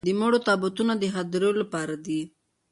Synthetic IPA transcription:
d̪əmoɽot̪ɑbat̪unad̪əɦad̪ɾejolapɑɾad̪i

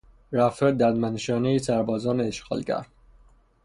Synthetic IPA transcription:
ɾæfeɾd̪æɾd̪mænʃɒːneisæɾbɒːzɒːneːʃɡɒ̰ːlcæ̰ɾd̪̥

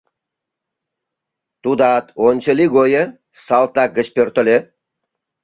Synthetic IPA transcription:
t̪ud̪ɑt̪onʲt͡ɕə̆liɡojə | sɑlˠt̪ɑɡə̆t͡ɕpʲørt̪ŏlʲe

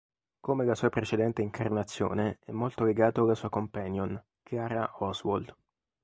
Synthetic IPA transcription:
komelasuːapɾet͡ʃed̪ɛnt̪eiŋkʰarnat̪sːjo̰ːneɛmːolt̪oleɡaːt̪oalːasuːakompanjon | kʰjaːɾaɔswo̰ld̪

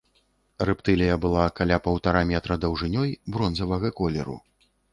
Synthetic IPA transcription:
rɨpt̪ɨlʲijɐbɨlˠakalʲapɐwt̪aɾamʲɛt̪ɾɐd̪ɐwʐɨnʲɔjbɾɔnzɐvɐɣɐkɔlʲɛɾṵ

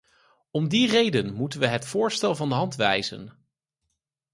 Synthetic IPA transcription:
ɔmdirejdənmutənʋəɦɛtfʊːɹstɛlˠvɑndəɦɑntʋɛ̰jzə̰n

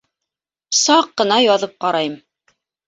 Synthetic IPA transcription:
sɑqːɤ̆nɑjɑðɤp̚qɑɾɑjɤm

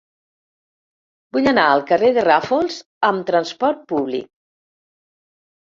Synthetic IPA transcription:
buʎənaəlˠkəreðərafolˠz | əmt̪ɾənspɔɾt̪̚puβlḭk̚

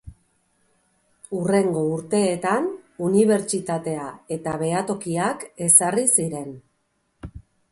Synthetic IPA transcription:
ure̞ŋɡo̞uɾt̪e̞ːt̪anuniβ̞e̞ɾt͡ʃit̪at̪e̞ae̞t̪aβ̞e̞at̪o̞kiake̞sarisiɾe̞n

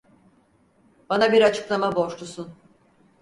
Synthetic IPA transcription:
b̥anabiɾat͡ʃʰɯ̥klˠamabo̞ʃlˠusun

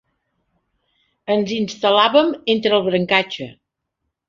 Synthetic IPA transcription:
ənzinst̪əlaβəment̪ɾəlˠβɾəŋkat͡ʃə̰

